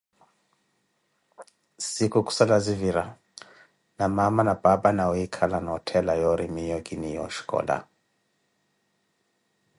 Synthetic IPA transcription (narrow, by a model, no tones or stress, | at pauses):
sikukʼu̥salaziviɾa | namamanab̥abanaɔikʰalanɔtʰɛlajɔɾimijɔɡʼinijɔ̰ʃi̥kʼɔ̰ːla̰